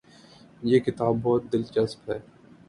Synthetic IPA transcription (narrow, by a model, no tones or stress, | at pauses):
jeːkɪt̪aːbːɔːt̪̚d̪ɪlt͡ʃɐspɦɛː